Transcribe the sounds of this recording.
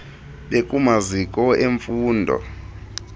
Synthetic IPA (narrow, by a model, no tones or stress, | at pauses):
ɓekʼumazikʼɔeɱfuːndʱɔ̰